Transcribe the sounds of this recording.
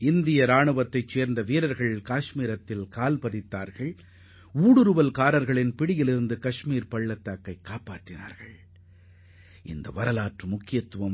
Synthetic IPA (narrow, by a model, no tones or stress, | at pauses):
ɪnd̪ɪjɐɾaːɳɯʋɐt̪ːɐɪt͡ʃːeːɾnd̪ɐʋiːɾɐɾɣɐɭɪlkaːʂmiːɾɐt̪ːɪlkaːlpɐðɪt̪ːaːɾɣɐɭ | uːɽɯɾɯʋɐlkaːɾɐɾɣɐɭɪnpɪɽɪjɪlɪɾɯnd̪ɯkɐʂmiːɾpɐɭːɐt̪ːaːkːɐɪkːaːpaːʈrɪna̰ːɾɣɐɭ | ɪ̰nd̪ɐʋɐɾɐlaːʈrɯmʊkːɪjɐt̪ːɯʋɐm